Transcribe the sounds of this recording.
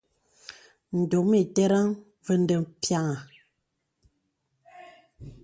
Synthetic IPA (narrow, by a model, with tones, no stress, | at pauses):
n̩˨do˨me˨tɛ˦ɾa˦ŋ | və˦n˦də˨mpja˦ŋa˨